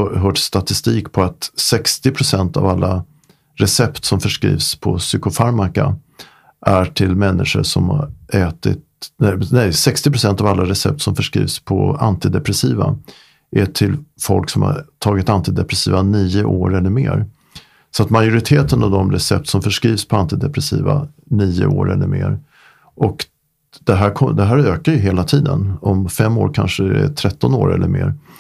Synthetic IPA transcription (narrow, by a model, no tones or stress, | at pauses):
ɦœːʈst̪at̪ɪst̪iːkpʰɔat̪sɛkst̪ɪpʰɾʊsɛnt̪a̰valːa | ɾɛsɛpt̪sɔmfœʂkɾḭːvspʰɔsʏkʊfaɾmaka̰ | ʔæʈʰɪlmɛnːɪ̰ʂə̰ʂɔmhaɛːt̪ɪt̪nɛnɛjsɛkst̪ɪpɾʊsɛnt̪avalːaɾɛsɛp̚t̪sɔmfœʂkɾḭːvspʰɔ̰a̰nt̪ɪd̪ɛpɾɛsiːva̰ | ʔɛʈʰɪlfɔlksɔmha̰ɾʈʰɑːɡɪt̪ant̪ɪd̪ɛpɾɛsiːvaniːəʔoːɾɛlːəɾmeːɾ | sɔat̪majʊɾɪt̪ʰeːt̪ənavd̪ɔmɾɛsɛp̚t̪sɔmfœʂkɾiːvspʰɔant̪ɪd̪ɛpɾɛsḭːva̰niːʊ̰oːɾɛ̰lːəɾmḛːɾ | ʔɔk | d̪̥ɛɦæːɾkʰɔd̪ɛɦæːɾøːkaɾjɵɦeːlat̪ʰiːd̪ə̰nɔmfɛmːoːɾkʰanʂədɛ̰t̪ʰɾɛt̪ːɔnoːɾɛ̰lːəɾmḛːɾ